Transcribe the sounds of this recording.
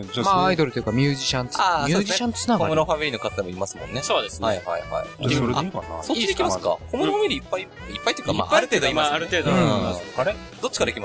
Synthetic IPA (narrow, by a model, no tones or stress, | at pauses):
maaid̪oɾɯojɯ̟kamʲjɯːʑiɕãnt̪asmoːieɕãnt̪o̥snakomɯɾoɦameɾino̞kat̪aemoimasɨmõnːe̞soːd̪esaeiha̰iha̰iɾakana̰soid̪ekʲimaska̰komɯɾohameɾʲiipːai | ipːait̪oiɯkama̰aɾɯt̪eːd̪oiːmaɾɯt̪eːd̪õaɾe | d̪o̞t͡ɕːi̥kad̪e̞kʲimas